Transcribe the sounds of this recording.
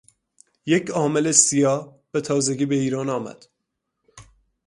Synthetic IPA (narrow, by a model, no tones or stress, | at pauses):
jecʰɒːmelesijɒːh | b̥e̞t̪ʰɒːze̞ɡiːbe̞iːɾɒːnɒːmæ̰d̪̥